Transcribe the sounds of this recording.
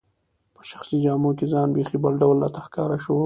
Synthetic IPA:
pə̥ʃḁxsid͡ʒɑmokezɑnbexibəlɖawlːɑt̪axkɑɾaʃo

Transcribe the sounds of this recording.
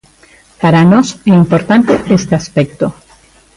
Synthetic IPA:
paɾanoseimpo̞ɾt̪ant̪eʔest̪easpek̚t̪o

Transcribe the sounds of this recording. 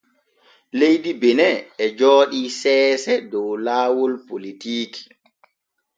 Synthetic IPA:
lejdibɛnɛɛd͡ʒɔːɗiːsɛːsɛdɔwlaːwɔlpolitiːki̥

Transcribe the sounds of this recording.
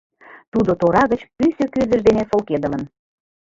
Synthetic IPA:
t̪ud̪ot̪oɾɑɣət͡ɕpysøkyrd̪əʒd̪enefolked̪ələn

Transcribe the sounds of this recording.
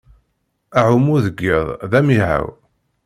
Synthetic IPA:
aʕumuðəɡːiðˤðæmiɦa̰w

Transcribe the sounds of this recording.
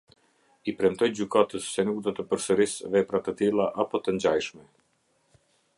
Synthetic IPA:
ipɾɛmt̪ɔjd͡ʑykat̪əsːɛnuk̚d̪ɔt̪əpəɾsəɾisvɛpɾat̪ət̪ilˠaʔapɔt̪əɲd͡ʑajʃmɛ

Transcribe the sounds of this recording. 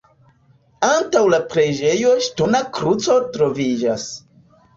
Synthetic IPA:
antawlapɾed͡ʒe̞jo̞ʃto̞nakɾut͡so̞tɾo̞vid͡ʒas

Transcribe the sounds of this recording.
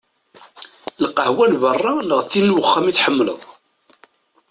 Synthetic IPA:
lqəhwælvərˤːɑləʁθinːwəχːæmiθħəmːlə̰ðˤ

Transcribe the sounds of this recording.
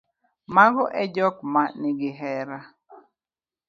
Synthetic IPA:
maɡɔʔɛd͡ʒɔkmanɪɡɪɦɛɾa

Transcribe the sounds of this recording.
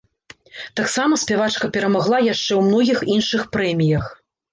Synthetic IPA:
t̪aksamɐsʲpʲɛvat͡ʂkɐpʲɛɾɐmaɣlˠajaʂt͡ʂɛwmnɔɣʲixinʂɨxpɾɛmʲijɐx

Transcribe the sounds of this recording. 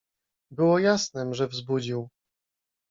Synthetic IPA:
bɘwɔjasnɛmʐɛvzbud͡ʑiw

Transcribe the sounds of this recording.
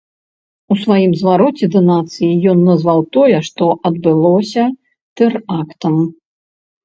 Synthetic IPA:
usvajimzvaɾɔt͡sʲɛd̪ɐnat̪sɨjijɔnːɐzvawt̪ɔjɛʂt̪ɔʔɐd̪bɨlˠɔsʲɐ | t̪ɛrakt̪ɐm

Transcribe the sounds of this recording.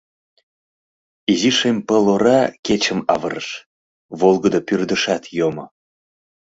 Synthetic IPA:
iziʃempəloɾɑket͡ɕəmɑβə̰ɾəʃ | βolɣəd̪opyrd̪əʃɑt̪jomo̰

